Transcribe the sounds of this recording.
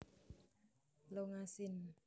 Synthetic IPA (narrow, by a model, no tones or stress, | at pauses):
loŋasɪn